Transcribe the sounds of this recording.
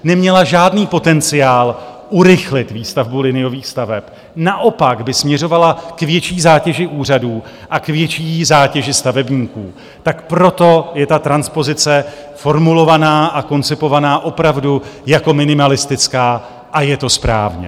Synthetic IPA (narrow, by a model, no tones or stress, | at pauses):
nɛmɲɛlaʒaːdniːpo̞t̪ɛnt͡sɪjaːlʔuɾɪxlɪt̪viːst̪avbulɪnɪjo̞viːxst̪avɛp | naʔo̞paɡbɪsmɲɛro̞valakvjɛt͡ʃiːzaːcɛʒɪʔuːraduː | ʔakvjɛt͡ʃiːzaːcɛʒɪst̪avɛbɲiːkṵː | t̪akpɾo̞t̪o̞jɛt̪at̪ɾanspo̞zɪt͡sɛ | fo̞ɾmulo̞vanaːʔako̞nt͡sɪpo̞vanaːʔo̞pɾavdujako̞mɪnɪmalɪst̪ɪt͡skaː | ʔajɛt̪o̞spɾa̰ːvɲɛ̰